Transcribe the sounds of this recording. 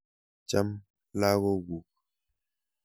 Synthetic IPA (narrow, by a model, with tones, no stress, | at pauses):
t͡ʃa˦m | la˦ɣo˦ɡu˨k̚